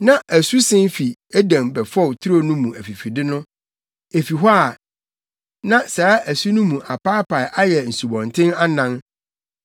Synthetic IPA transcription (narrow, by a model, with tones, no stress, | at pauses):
nã˦ʔæ˨su˦sɪ̃˦n˦fi˨æ˦dæ̃˨mbɛ˨fɔ˦˨wtʰu˦ɾo˦˨nʊ̃˦mũ˨æ˨fi˨fi˨dɪ˦nʊ̃˦ | e˨fi˨ɦɔ˦a˨ | nã˦sa˨a˦ʔæ˨su˦nʊ̃˦mũ˨ʔa˨pa˦pʰa˨ɪ˨ʔa˦jɛ˨n̩˨su˨bɔ̃˨ntʰɪ̃˦na˦nã˦n